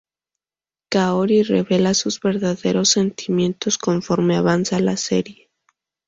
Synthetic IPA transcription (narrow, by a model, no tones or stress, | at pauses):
kaoɾirḛβe̞lasuzβe̞ɾðaðe̞ɾo̞sːe̞nt̪ʰimjẽ̞nt̪o̞sko̞ɱfo̞ɾme̞aβansalase̞̰ɾje̞